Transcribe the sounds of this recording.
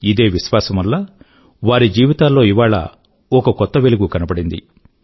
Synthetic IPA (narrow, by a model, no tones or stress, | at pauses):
id̪e̞ːʋiʃʋaːsɐmɐlːaː | ʋaːɾid͡ʒiːʋit̪aːlːo̞ːiʋaːɭɐ̰ | ɔkɐkɔt̪ːɐʋeluɡukɐnɐbɐɽind̪ḭ